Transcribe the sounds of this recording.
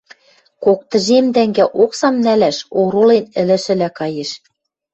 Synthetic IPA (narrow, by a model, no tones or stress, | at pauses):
kok̚t̪ə̆ʒemd̪æŋɡæʔoksɑmnælæʃoɾolenɘ̆lɘ̆ʃɘ̆lækɑjeʃ